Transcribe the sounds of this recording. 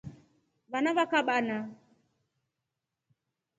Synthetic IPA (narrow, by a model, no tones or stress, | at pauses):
βanaβakaɓana